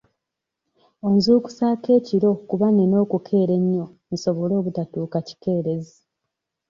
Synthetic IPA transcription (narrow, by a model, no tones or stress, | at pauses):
o̞nzuːku̥saːke̞ːciɾo̞kuβaneno̞ːkukʰe̞ːɾe̞ɲːo̞ | n̩so̞βolo̞ːβutatuːkaci̥ke̞ːɾe̞zi